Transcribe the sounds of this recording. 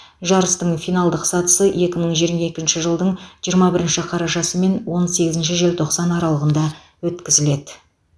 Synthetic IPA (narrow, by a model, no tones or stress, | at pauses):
ʒɑɾəst̪əɴfijnɑlˠd̪əqsɑt̪ə̥səʔe̞kʲɪməɴʒijəɾmɑe̞kʲɪnʃɪʒəlˠd̪əɴʒijəɾmɑbɪɾɪnʃɪqʰɑɾɑʒɑsəme̞nwo̞nse̞ɡʲɪzɪnʃ̬ɪʒelʲt̪ʰo̞qsɑnɑɾɑlˠəʁənd̪ɑ | wɵt̪kʲɪzɪle̞d̪ɪ